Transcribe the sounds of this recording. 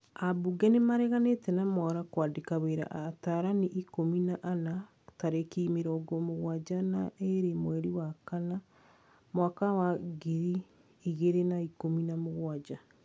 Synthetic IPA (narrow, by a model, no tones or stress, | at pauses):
abuɡɛnemaɾɛɣanetɛnamɔɾakwaːdekaβeɾa̰ʔtaɾaniʔikominaʔana | taɾekiːmeɾɔːɡomoɣwad͡ʒanaʔeɾemwɛɾiwakana | mwakawaɡiɾiː | ɣeɾenaikominamoɣwad͡ʒa